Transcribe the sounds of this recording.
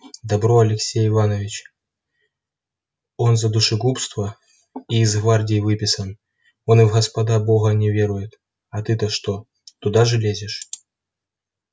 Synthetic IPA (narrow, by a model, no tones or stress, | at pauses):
d̪ɐbɾoɐlʲɪksʲejɪvanəvʲɪt͡ɕ | o̞nzɐd̪ʊʂɨɡupst̪və | iːzɣvardʲɪjvɨpʲɪsən | o̞nɨvɣəspɐd̪abo̞ɣənʲɪvʲeɾʊjɪt̪ | ɐt̪ɨt̪ɐʂt̪o | t̪ʊd̪aʐɨlʲezʲɪʂ